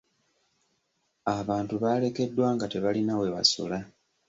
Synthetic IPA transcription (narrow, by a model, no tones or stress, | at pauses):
aβaːntuβaːle̞ke̞dːwaːŋɡate̞βalinawe̞βa̰sṵla